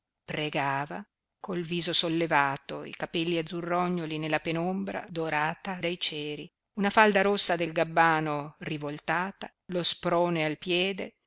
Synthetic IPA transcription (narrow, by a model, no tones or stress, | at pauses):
pɾeɡaːva | kolviːzosolːevaːt̪oḭkapɛlːiad̪zːurːɔɲːolinelːapenombɾa̰d̪oɾaːt̪ad̪ajt͡ʃɛːɾi | unafald̪aɾosːad̪elɡabːaːnorivolt̪aːt̪a | lospɾoːnealpjɛːd̪e